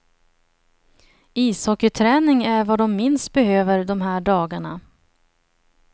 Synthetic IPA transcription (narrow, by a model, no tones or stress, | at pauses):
iːshɔkət̪ʰɾɛːnɪŋæɾvad̪ɔmːɪnst̪̚bɛhøːvəɾd̪ɔmɦæːɖɑːɡaɳa̰